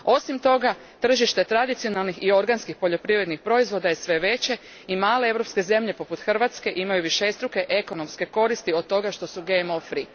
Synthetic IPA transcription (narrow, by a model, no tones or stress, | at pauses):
o̞simt̪o̞ɡa | t̪r̩ʒiʃt̪et̪ɾad̪it̪sio̞nalˠnixio̞ɾɡanskixpo̞ʎo̞pɾiʋɾe̞d̪nixpɾo̞izʋo̞d̪aje̞sʋe̞ʋe̞t͡ɕe̞ | imaːle̞eʋɾo̞pske̞ze̞mʎe̞po̞put̪xr̩ʋat̪ske̞ʔimajuʋiʃest̪ɾuke̞ʔe̞ko̞no̞mske̞ko̞ɾist̪io̞d̪̚t̪ːo̞ɡaʃt̪o̞suɡemofɾi